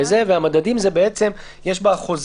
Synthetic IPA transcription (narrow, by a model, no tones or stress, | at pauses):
ezeveamad̪adimzebeet͡se̞m | jeʃ̬baχo̞z